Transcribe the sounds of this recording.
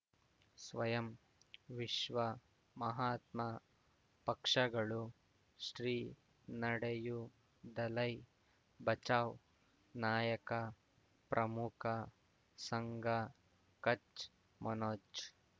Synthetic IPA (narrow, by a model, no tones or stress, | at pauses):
sʋɐjɐm | ʋiʃʋɐ | mɐɦaːt̪mɐ | pɐkʂɐɡɐɭu | ʃɾiː | nɐɽɐju | d̪ɐlɐj | bɐt͡ʃaːʋw | naːjɐkɐ | pɾʔɐmukʰɐ | sɐŋɡʱɐ | kɐt͡ʃ | mʔɐnoːd͡ʒ